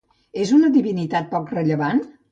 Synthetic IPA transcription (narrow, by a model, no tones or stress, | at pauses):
ezunəðiβinit̪at̪̚pɔkrəʎəβan